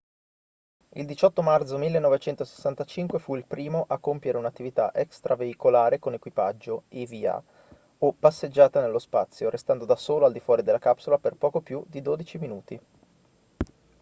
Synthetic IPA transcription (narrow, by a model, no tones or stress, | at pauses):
ḭld̪it͡ʃɔt̪ːomart̪somilːenːɔvet͡ʃɛnt̪ose̥sːant̪at͡ʃiŋkwefuilpɾiːmoʔakːompjeɾeunat̪ːivit̪aʔɛkst̪ɾʔaveikolaːɾekonekwipad͡ʒːoivia̰ | opːasːed͡ʒːaːt̪anelːospat̪sːjoɾʔest̪and̪od̪asoːloald̪ifwɔːɾid̪elːakapsolaperpɔːkopjud̪id̪oːd̪it͡ʃiminuːt̪i